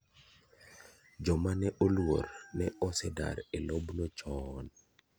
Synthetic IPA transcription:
d͡ʒɔmanɛʔolwo̰ɾnɛɔsɛda̰ɾelobnot͡ʃɔːn

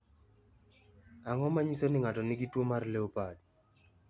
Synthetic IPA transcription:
aŋɔmaɲisonɪŋatɔnɪɡitwomarleopad̚

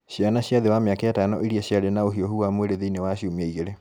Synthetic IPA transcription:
ɕjanaɕjaðewamjakaatanɔiɾiaɕjaðenaoɦioɦuamweɾeðeinewaɕjomiaiɣeɾe

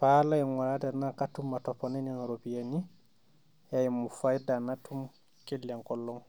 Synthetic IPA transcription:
palaɛnwaɾadɛɾnakatːumːatɔpːɔnɛninɾopijani | jajmufajdanatʰːum | kelːiaŋkɔlːɔŋ

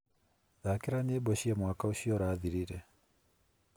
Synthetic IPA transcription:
ðakeɾaneːbɔʃiamwaːkaoʃiɔɾaːðiɾiɾɛ

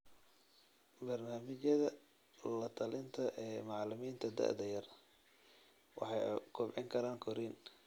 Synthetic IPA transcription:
bɐrnaːmɪt͡ʃɐðɐ | lɐt̪ʰɐlɪnt̪ʰɐʔɛːmɑʕlɪmiːnt̪ʰɐd̪ɐ̰ʔd̪ɐjɐr | wɑ̰ħɑjkʰʊbʕɪŋkʰɐɾaːŋkʰɔɾiːn

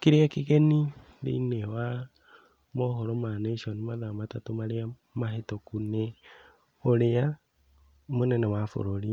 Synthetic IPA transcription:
kiɾeakikeni | lḭːnewa | mohoɾomaneʃonimaðamatatumaɾea | mahetokune | oɾeja | monenewafṵɾoɾi

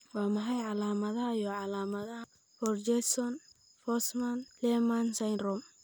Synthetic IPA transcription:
wɑːmɐɦɐjʕɑlaːmɐðɐɦɐjɔʕɑlaːmɐðɐɦɐ | fɔrd͡ʒɛsɔn | fɔsmanlɛmansajrɔm

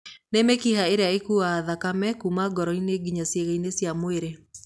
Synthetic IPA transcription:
nemekihaeɾeaekuaːðakamɛkumaɡɔɾɔineɡiɲasjeɣeinesjamoeɾe

